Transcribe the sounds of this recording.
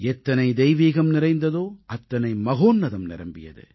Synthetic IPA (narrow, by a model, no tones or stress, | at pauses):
ɛt̪ːɐnɐɪd̪ɛjʋiːɣɐmnɪɾɐɪnd̪ɐðoːɐt̪ːɐnɐɪmɐɣoːnːɐðɐmnɪ̰ɾɐ̰mbɪ̰jɐ̰ðɯ̰